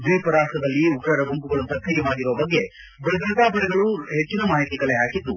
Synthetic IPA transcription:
d͡ʒeːpɐɾaːsʈɐd̪ɐlːiukɾɐɾɐbumkuɡɐɭɐmsɐt̪ʰːɐjɐmaːɡiɾɔʋɐbɐɡːe̞ | bɐɡɾɐt̪aːpɐɾɛɡɐɭuɦet͡ʃːinɐmaːɦit̪iːkɐleaːkid̪ːu

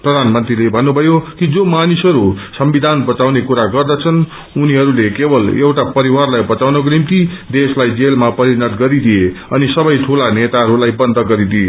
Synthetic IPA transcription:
prʌd̪ʱanmʌnt̪rilebʱʌnːubʱʌjokid͡zomanisʌɾusʌmbid̪ʱanbʌt͡sawnekuɾaɡʌrd̪at͡sʰʌn | uniɦʌɾulekebʌlḛwʈapʌɾiwarlajbʌt͡sawnʌk̬onimt̪id̪eslajd͡zelmapʌɾinʌt̪ɡʌɾid̪ieʌnisʌbʌjʈʰulanet̪aɦʌɾulajbʌnd̪ʱʌɡʌɾid̪ie

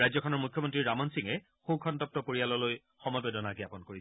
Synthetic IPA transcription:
ajzɔkʰɔnɔɹmukʰjɔmɔntɹiɹamɔnsiŋɛ | xũkʰɔntɔp̚tɔpoɹialɔloj | xɔmɔjbedɔnaɡiapɔnkoɹisɛ

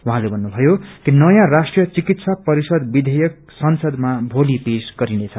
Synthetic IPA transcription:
wuɦãlebʱʌnːubʱʌjokinʌjãrasʈrijʌt͡sikit̪sapʌɾisʌd̪bid̪ʱʌjʌk̚ | sʌnsʌd̪mabʱolipesɡ̥ʌɾinet͡sʰʌ

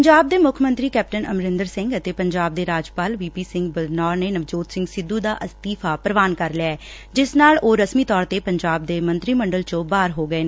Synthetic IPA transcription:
əɲd͡ʒaːb̚d̪eːmʊkʰmə̃nt̪ɾiːkɛːp̚ʈənəmɾɪnd̪əɾsɪ̃ŋɡət̪eːpəɲd͡ʒaːb̚d̪eːɾaːd͡ʒpaːlʋiːpiːsɪ̃ŋɡbəlnɔːɾneːnəʋd͡ʒoːt̪sɪŋɡsɪd̪ːũːd̪aːʔəst̪iːpʰaːpɾəʋaːnkəɾlɪaɛː | d͡ʒɪsnaːloːɾəsmiːt̪ɔːɾt̪eːpəɲd͡ʒaːb̚d̪eːmənt̪ɾiːməɳɖəlt͡ʃõːbaːɾɦoːɡəeː

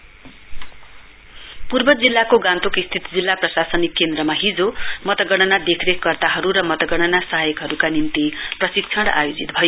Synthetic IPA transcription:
purbʌd͡zilːakoɡãnt̪okist̪ʰit̪d͡zilːaprʌsasʌnikːend̪ɾʌmaɦid͡zomʌt̪ʌɡʌɽ̃ʌnad̪ekʰɾekɡʌrt̪aɦʌɾuɾʌmʌt̪ʌɡʌɽ̃ʌnasʌɦajʌkɦʌɾukanint̪iprʌsik̚t͡sʰʌɽa̰jod͡zit̪̚bʱʌjo

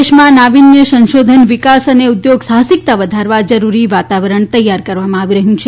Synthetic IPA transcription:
eʃmãnaʋinjəsə̃nʃod̪ʱənʋɪkasəneud̪joɡsaɦəsik̚t̪aʋəd̪ʱaɾʋad͡ʒəɾuɾiʋat̪aʋəɾəɳt̪əjːaɾkəɾʋamãaʋiɾəɦjũt͡ʃʰe

